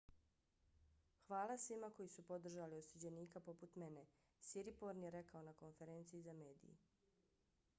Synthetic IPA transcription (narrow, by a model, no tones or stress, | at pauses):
xʋaːlˠasʋimako̞jisupo̞d̪r̩ʒaliosud͡ʑeniːkapo̞put̪me̞ne̞ | siɾipo̞ɾnjeɾe̞kao̞nako̞nfe̞ɾeːnt̪siːzame̞ːd̪ḭjḭ